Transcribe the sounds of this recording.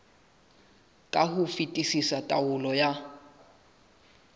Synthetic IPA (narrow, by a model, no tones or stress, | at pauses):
kʼahʊfitʼisisatʼaʊlɔja